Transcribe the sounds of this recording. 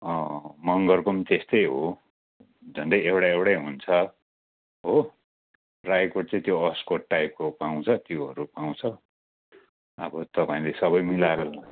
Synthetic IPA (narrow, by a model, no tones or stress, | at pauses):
ʌmʌŋɡʌrkomt̪est̪ʌjɦo | d͡zʱʌnd̪ʌjewɽaewɽajɦunt͡sʰʌ | ɦo | rajkoɽ̚t͡sʌ̃t̪joʌskoʈ̚ʈːajp̚kopaw̃t͡sʰʌt̪joɦʌ̰ɾupaw̃t͡sʰʌ | ʌbʌt̪ʌpãĩlesʌβʌjmilaɾʌla